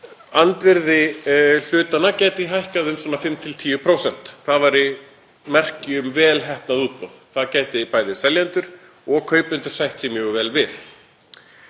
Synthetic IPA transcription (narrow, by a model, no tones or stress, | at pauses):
ant̪vɪɾðɪl̥ʏːt̪anacaːjt̪ɪɦajhkaðʏmswɔːnafɪmt̪ʰɪlt̪ʰiːjʏpʰɾoːwsɛn̥t̪θaðvaɾɪ | mɛr̥cɪʏmvɛːlɦɛhpnaðuːt̪̚pɔðθaðcɛːjt̪ɪpaːjðɪsɛljant̪ʏɾ̥ | ɔɣkʰœːɥpʏnt̪ʏɾ̥sajht̪sɛmjɛɣʏvɛːlvɪθ